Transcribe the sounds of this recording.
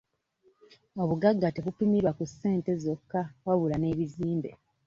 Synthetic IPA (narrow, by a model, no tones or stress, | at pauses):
oβuɡaɡːateβupimiɾwakusːe̞ːnte̞zo̞kːawaβulane̞ːβiziːmbe̞̰